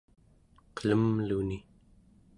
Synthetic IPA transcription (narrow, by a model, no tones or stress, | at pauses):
qə̥ləmluni